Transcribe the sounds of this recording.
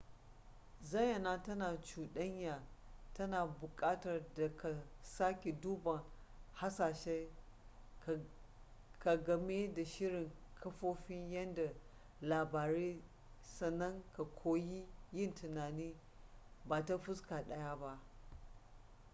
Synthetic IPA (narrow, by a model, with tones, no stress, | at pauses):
zɐ˦jjɐ˨naː˦tɐ˦naː˨t͡ʃuː˨ɗɐ˦ɲjaː˨tɐ˦naː˨bʊ˨kʼaː˦tɐ˨rda˨kʰa˨saː˦kʲe˨duː˦bɐ˨ŋ | ha˦saː˨ʃe˦˨ | ka˨ɡɐ˨me˦da˨ʃɪ˦ɾɪ˨ŋkʰɐ˦ɸoː˦ɸɪ˦ɲjɐ˦nda˨ | laː˨baː˨ɾeː˦ | sɐ˨nːɐ˦ŋka˨kʷʰoː˦ji˦jɪ˦˨ntɪ˨naː˨niː˦ | baː˨ta˦ɸʊ˦skaː˨ɗɐ˦ja˦ba˦ʔ